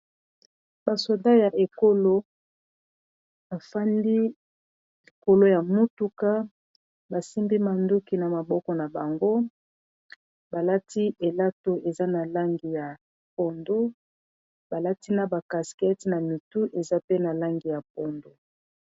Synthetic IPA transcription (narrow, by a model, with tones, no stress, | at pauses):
ba˨so˨da˦ja˨ʔe˨ko˦lo˦ | ba˨fa˦ndi˦ | i˨ko˨lo˦ja˨mu˦tu˦ka˦ | ba˨si˦mbi˦ma˨ndu˦ki˨na˨ma˨bɔ˦kɔ˨na˨ba˨ŋɡo˦ | ba˨la˦tʰi˦ʔe˨la˦to˨ʔe˨za˦na˨la˦ŋɡi˨ja˨ | po˨ndu˦ | ba˨la˦ti˦na˨ba˨ka˨skɛ˦ti˨na˨mi˨tu˦ʔe˨za˦pe˦na˨la˦ŋɡi˨ja˨p̚o˦ndu˨